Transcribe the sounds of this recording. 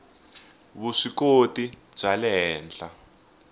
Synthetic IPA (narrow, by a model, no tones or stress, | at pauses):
βuʂikotib͡ʐalɛɦɛːnd͡ɮa